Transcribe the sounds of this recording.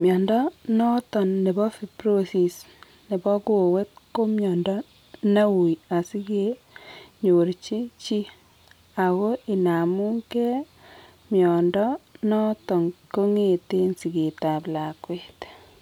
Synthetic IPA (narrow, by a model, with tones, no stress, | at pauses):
mjɔ˨ndɔ˦nɔ˦tɔ˨nːe˨bɔ˦fi˨pɾo˦si˨s | ne˨bɔ˦ku˦˨we˦t̚ko˦mjɔ˨ndɔ˦ | na˦wu˨ja˨si˦ke˨ | ɲo˨ɾt͡ʃi˦t͡ʃi˦ | a˨ko˦i˨na˨mu˦ŋkɛ˦ | mjɔ˨ndɔ˦nɔ˦tɔ˨ŋko˦ŋe˦˨te˦nsi˨ke˨ta˨pla˨kwe˨t